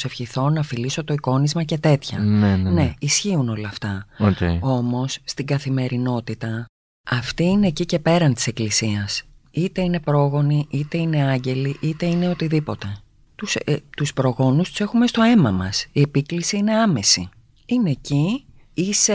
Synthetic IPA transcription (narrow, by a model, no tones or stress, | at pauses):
se̞fçiθo̞nɐfiliso̞t̪o̞iko̞nizmɐce̞t̪e̞t̪çɐ̰nne̞isçiuno̞lɐːft̪ɐoceo̞mo̞sːt̪iɡɐθime̞ɾino̞t̪it̪ɐ | ɐft̪iine̞cice̞pe̞ɾɐnt̪i̥seklisiɐs | it̪e̞ine̞pɾo̞ɣo̞niʔit̪e̞ine̞ɐɲɟe̞liʔit̪e̞ine̞o̞t̪iðipo̞t̪e̞ | t̪ust̪uspɾo̞ɣo̞nust̪u̥se̞xume̞st̪o̞e̞mɐmɐ̰siepiklisiine̞ɐme̞sḭ | ineci | ise